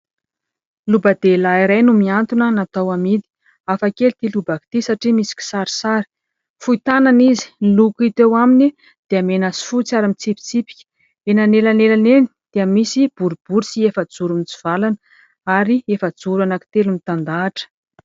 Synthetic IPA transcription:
lubəd̪̥elaiɾajnumiant̪unənat̪awamid̪i̥ | afakelit̪ilubaki̥t̪isaʈ͡ʂimisi̥kʲi̥saɾi̥saɾi̥ | fuit̪ananizi̥nilukit̪ewamini | d̪̥eamenasi̥fut͡saɾamit͡sipi̥t͡sipi̥kʲə̥ | enanelanelaneni̥d̪̥eəmisib̥uɾib̥uɾisiefəd͡zuɾumit͡su̥v̥alanə | aɾiefəd͡zuɾanaki̥t̪elumit̪and̪aːʈ͡ʂə̥

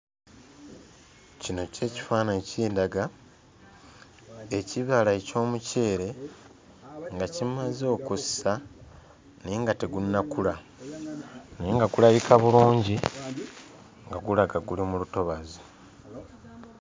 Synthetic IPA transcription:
cino̞ce̞ːci̥faːnaeciːndaɡa | eciβalaeco̞ːmuce̞ːɾe̞ | ŋɡacimazo̞kusa | niːŋɡateɡunːakula | niːŋɡaɡulajikaβuluːɲɟi | ŋɡaɡulaɡaɡulimuluto̞βazi

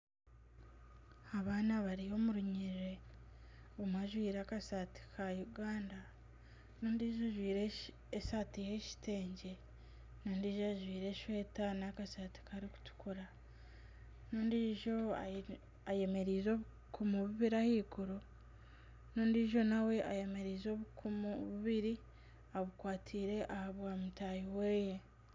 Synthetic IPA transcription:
aβaːnaβaɾiho̞muɾuɲiiɾe̞ | omwaʒwiːɾakasati̥kʰajuɡaːnda | noːndiʒoʒwiːɾe | esatihe̞ʃi̥te̞ːɲɟe̞ | noːndiːʒoaʒwiːɾe̞ʃwe̞ːtanakasati̥kaɾiku̥tu̥kuɾa | noːndiʒo̞a̰ | aje̞me̞ɾiːzo̞βu | kumuβuβiɾahiːkuɾo | noːndiʒo̞nawe̞ʔaje̞me̞ɾiːzo̞βukumβuβiɾi | aβukwaːtʰiːɾe̞ʔahaβwaːmutajiweːje

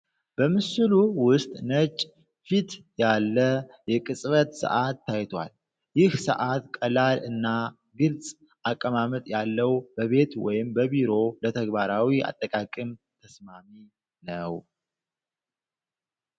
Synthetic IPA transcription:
b̥əmɨsɨluwʊst̪ʼnət͡ʃʼ | fit̪jalːəjɛkʼɨsʼβət̪sə̰ʔat̪ːajt̪ʰwa̰l | jɪhsə̰ʔat̪kʼəlalɨnːa | ɡɨlt͡sʼ | akʼːəmamət̪ʼjalːəwbəβe̞t̪wɔ̰jɪmbəβiɾo̞lət̪ʰəɡbaɾawia̰t̪ʼːəkʼakʼɨmt̪ʰəsmami | nəw

